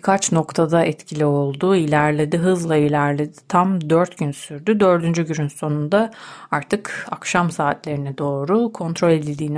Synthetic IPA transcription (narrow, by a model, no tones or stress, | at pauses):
kʰat͡ʃno̞kt̪ʰad̪aʔɛt̪cʰilʲio̞lˠd̪uilʲæɾlʲe̞d̪iɦɯzlˠailʲæɾlʲe̞d̪i̥t̪ʰamd̪øɾt̪ɟynsyɾd̪yd̪ø̞ɾd̪ynd͡ʒyɟynynso̞nund̪aaɾt̪ʰɯkakʃamsaːt̪lʲe̞ɾinɛd̪o̞ːɾukʰo̞nt̪ʰɾo̞lʲe̞d̪ilʲd̪iːn